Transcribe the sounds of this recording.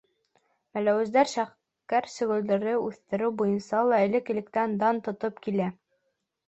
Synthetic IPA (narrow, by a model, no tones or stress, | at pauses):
mælæwɘ̆zd̪æɾʃæχ | kæɾsɵ̆ɣɵ̆ld̪ɘ̆ɾɘʉθt̪ɘ̆ɾɘwbujɤ̆nsɑlˠɑɘ̆lɘkĭlɘ̆kt̪ænd̪ɑnt̪ŏt̪ɤpkilæ